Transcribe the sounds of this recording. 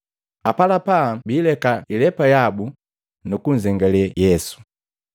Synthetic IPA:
apalapabiːlɛkailɛpajabu | nukuɲ̩d͡ʒɛŋɡalɛjɛsu̥

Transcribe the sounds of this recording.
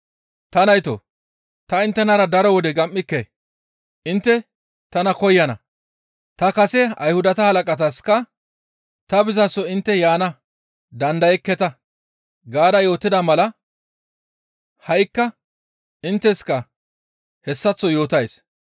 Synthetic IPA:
t̪ɐnɐjt̪o̰ | t̪ɐɪnt̪ːɛnɐɾɐd̪ɐɾɔwɔd̪ɛɡɐmːɪkːe | ʔɪnt̪ːɛ | t̪ɐnɐkɔjːɐnɐ̰ | t̪ɐkɐsɛɐ̰jhʊd̪ɐt̪ɐhɐlɐkʼɐt̪ɐskɐ | t̪ɐbɪzɐsːɔɪnt̪ːɛjaːnɐ | d̪ɐnd̪ɐjɛkːɛt̪ɐ | ɡaːd̪ɐjo̞ːt̪ːɪd̪ɐmɐlɐ | hɐjkːɐ | ɪnt̪ːɛskɐ | hɛsːɐt͡sːɔjo̞ːt̪ɐjs

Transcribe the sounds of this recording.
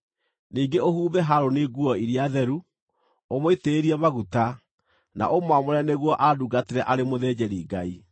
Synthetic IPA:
niːŋɡeohuːβɛɦaɾoneɣuɔiɾiaðɛɾu | omoiteːɾiɛmaɣuta | na̰ʔomwamoɾɛneɣwɔʔaduɡateɾɛʔaɾemoðɛd͡ʑɛɾiɡai

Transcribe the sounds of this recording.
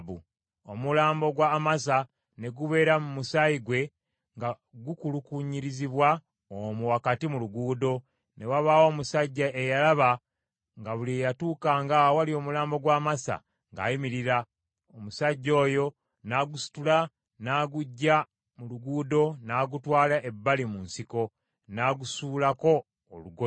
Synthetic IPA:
βu | omulaːmbo̞ɡwamas̬a | ne̞ɡuβe̞ːɾamumusaiɡwe̞ | ŋɡa | ɡukulukuɲiɾiziβwa | omuwakatimuluɡuːdo̞ | ne̞waβaːwo̞ːmusaɟːaʔejalaβa | ŋɡaβuliejatuːkaŋɡawalio̞ːmulaːmbo̞ɡwaːmasa̰ | ŋɡa̰ːjimiɾiɾa | omusaɟːo̞ːjo̞ | naɡusu̥tula | naːɡuɟːa | muluɡuːdo̞naːɡutwaːlaʔe̞bːalimunsiko̞ | naːɡusuːlako̞ː | luɡo

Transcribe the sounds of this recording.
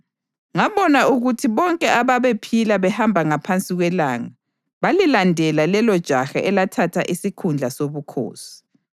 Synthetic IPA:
ŋaβɔnauɣutʰiβɔŋkʼɛʔaβaβepʰilaβɛhambʱaŋapʰant͡sʼiɣwɛlaːŋa | βalilandʱɛlalɛlɔd̥ʒ̥ʱaxa̰ʔɛlatʰatʰa̰ʔisikʰund͡ɮʱasoβukʰo̰ːsi̥

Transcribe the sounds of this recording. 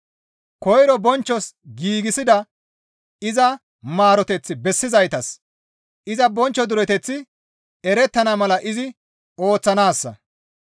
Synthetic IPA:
kɔjɾɔbɔnt͡ʃːɔsɡiːɡɪsɪd̪ɐ | ɪzɐ | maːɾɔt̪ɛt͡sːɪbɛsːɪzɐjt̪ɐs | ʔɪzɐbɔnt͡ʃːɔd̪ʊɾɛt̪ɛt͡sːɪ | ɛɾɛt̪ːɐnɐmɐlɐʔɪzɪ | o̞ːt͡sːɐnaːsːɐ̰

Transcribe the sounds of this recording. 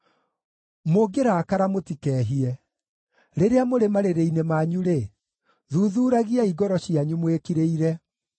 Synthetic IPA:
moɡeɾakaɾamotikɛːɦiɛ | ɾeɾeamoɾemaɾeɾeinemaːɲuɾe | ðuːðuːɾaɣiaiɣɔɾɔɕiaɲumwekiɾeiɾɛ

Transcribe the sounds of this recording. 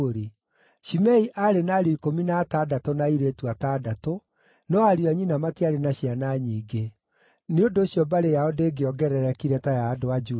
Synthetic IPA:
ɾe | ʃimɛiʔaɾenaɾeikominatadatɔnaiɾetuwatadato | nɔaɾiaɲinamatiaɾenaɕianaɲiːɡe | neondoːɕjɔbaɾejahodeːɡeɔɡɛɾɛɾɛkiɾɛtajaːdowad͡ʒu

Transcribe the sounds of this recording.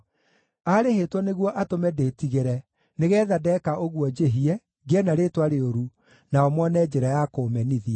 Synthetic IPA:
aɾehetwɔneɣwɔʔatomɛdeːtiɣeɾɛ | neɣɛːðadɛkaʔoɣwɔd͡ʑeɦiɛ | ɡɛnaɾetwaɾeoɾu | naɔmɔnɛd͡ʑɛɾajakoːmɛniðiɛ

